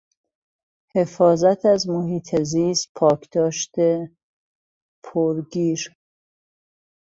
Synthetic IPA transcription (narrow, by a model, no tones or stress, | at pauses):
he̞fɒːzæt̪ʰæzmoɦiːt̪ʰeziːst̪̚pʰɒːkʰd̪̥ɒːʃt̪e | pʰoɾɡiːɾ